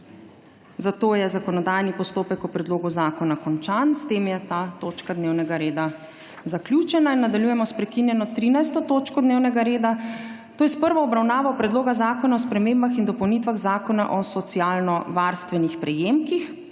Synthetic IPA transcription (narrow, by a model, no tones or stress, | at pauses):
zat̪oːjɛzakɔnɔd̪ajnipɔst̪oːpɛkɔpɾɛd̪loːɡuzaːkɔnakɔnt͡ʃanst̪emjɛt̪aːt̪oːt͡ʃkad̪neːwnɛɡaɾeːd̪a | zaklʲjut͡ʃɛnainːad̪aljujɛmɔspɾɛkinjɛnɔt̪ɾiːnajst̪ɔt̪oːt͡ʃkɔd̪neːwnɛɡaɾeːd̪at̪oːjɛspəɾʋɔɔbɾawnaːʋawpɾɛd̪loːɡazaːkɔnaɔspɾɛmeːmbaxind̪ɔpɔwnit̪ʋaɣzaːkɔna̰ʔɔsɔt̪siaːlnɔʋaɾst̪ʋɛnixpɾɛjeːmkix